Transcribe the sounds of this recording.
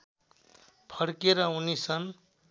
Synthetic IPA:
pʰʌɽkeɾʌunisʌn

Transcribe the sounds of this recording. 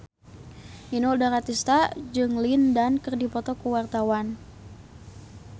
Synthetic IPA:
inuudarat̪ist̪ad͡ʒɨŋlindankɨrdipɔt̪ɔkuwart̪awan

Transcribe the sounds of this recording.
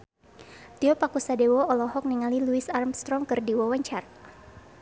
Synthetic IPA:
t̪iɔpakusadɛwɔɔlɔɦɔk̚niŋaliluisarmst̪ɾɔŋkɨrdiwɔwaɲt͡ʃar

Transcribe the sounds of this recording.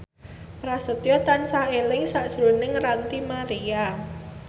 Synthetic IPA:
pɾasət̪jɔt̪ansaelɪŋsaʔd̥ʒ̥ɾo̤nɪŋrant̪imaɾia

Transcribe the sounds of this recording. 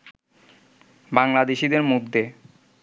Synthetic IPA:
baŋlad̪eʃid̪eɾmod̪ʱːe

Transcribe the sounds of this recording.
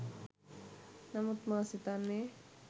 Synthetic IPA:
nɐmut̪maːsit̪anːe

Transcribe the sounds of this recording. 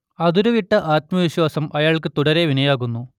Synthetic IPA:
ɐðuɾuʋiʈːɐʔaːt̪̚mɐʋiɕwaːsɐmʔɐjaːɭkɨt̪uɽɐɾeʋinɐjaːɣunːu

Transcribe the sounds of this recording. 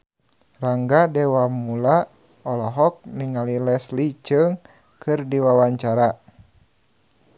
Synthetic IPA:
raŋɡadɛwamula | ɔlɔɦɔk̚niŋalilɛslit͡ʃɨŋ | kɨrdiwawaɲt͡ʃaɾa

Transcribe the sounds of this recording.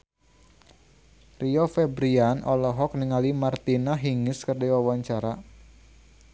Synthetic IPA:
riɔfɛbɾianʔɔlɔɦɔk̚niŋalimart̪inaɦiŋɪskərdiwawaɲt͡ʃaɾa

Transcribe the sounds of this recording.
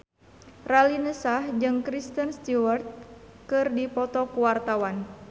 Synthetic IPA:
ralinəsahd͡ʒɨŋkɾist̪ənst̪iwərt̪̚kɨrdipɔt̪ɔkuwart̪awan

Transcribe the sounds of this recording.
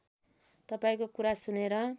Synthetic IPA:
t̪ʌpaĩkokuɾasuneɾʌ

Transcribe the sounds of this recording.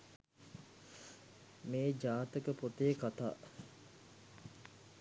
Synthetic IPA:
meːd͡ʒaːt̪əkəpot̪eːkat̪a̰ː

